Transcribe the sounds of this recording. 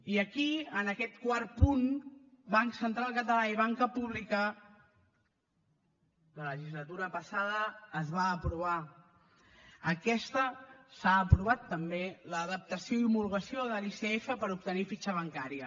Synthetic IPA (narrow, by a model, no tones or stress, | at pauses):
iəkiənəkɛt̪kwar̚pun | baŋksənt̪ɾalˠkət̪əlaiβ̞aŋkəpuβlikə | ðələʒizlət̪uɾəpəsaðəːzβaəːpɾuβ̞a | əkɛst̪əsaːpɾuβat̪ːəmbeləːðəp̚t̪əsioimulɣəsioðəliseefəpəɾup̚t̪ənifit͡ʃəβ̞əŋkaɾiə